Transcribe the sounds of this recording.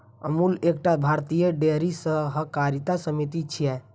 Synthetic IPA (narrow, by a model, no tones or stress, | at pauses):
ə̰muːleːk̚ʈabʱaːɾt̪ijəɖeɾisəɦəkaːɾit̪asəmit̪it͡ʃʰiɛ